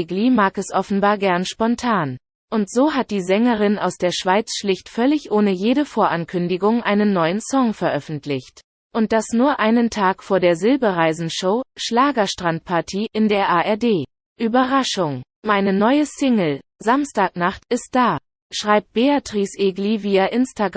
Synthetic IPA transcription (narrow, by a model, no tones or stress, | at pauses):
ɡlimaːkɛsʔɔfn̩baːɐɡɛɐnʃpɔntʰaːn | ʔʊntz̥oːɦat̚d̥iːzɛŋəʁɪna̰ʊsd̥eːɐʃv̥aɪt͡sʃlɪçtfœlɪçʔoːnəjeːɾəfoːɐʔankʰʏndɪɡʊŋʔaɪnənːɔʏənsɔŋfɛɐʔœfn̩tʰlɪçt | ʔʊnt̚d̥asnuːɐʔaɪnəntʰaːkfoːɐdeːɐzɪlbəʁaɪzn̩ʃoːʃlaːɡɐʃtʁ̥ant̚pʰaɐtʰiːʔɪndeːɐʔaːʔɛɐdeː | ʔyːbɐʁaʃʊŋ | maɪnənɔʏəsɪŋl̩ | zamstaːk̚naχtɪst̚d̥aː | ʃʁ̥aɪp̚t̚b̥eatʁ̥iːsʔeːɡliviːɐʔɪnstaɡ